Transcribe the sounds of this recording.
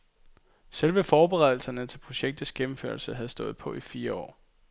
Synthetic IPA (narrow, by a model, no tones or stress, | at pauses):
selʋəfɒːb̥e̝ʁɛð̞̰ˠl̩sɐnət͡sʰe̝lpʰʁo̝ɕeɡ̥̚d̥ð̩ˠsɡ̥emm̩fø̰ɐlsəɦæðˠsd̥ɔ̽ːð̞̩ˠpʰɒ̽ʔifiːɐɒ̰ː